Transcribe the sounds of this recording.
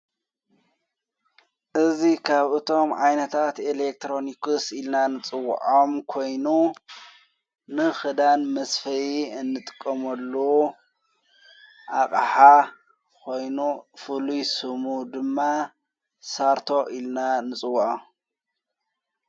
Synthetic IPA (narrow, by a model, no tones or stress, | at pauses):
ʔɨzikʰaβʔɨt̪ʰo̞mʕajnɐt̪ʰat̪elek̚t̪ʰɾo̞nikɨsilnanɨt͡sʼɨw̰ːʕʔomkʰo̞jnu | nɨxɨd̪anmɐsfɐjiɨnːɨt̪ʼɨ̥kʼːɐmɐlːu | ʔakʼħa | kʰo̞jnufɨlujsɨmud̪ɨmːa | saɾt̪ʰo̞ʔilnanɨt͡sʼɨwːʕom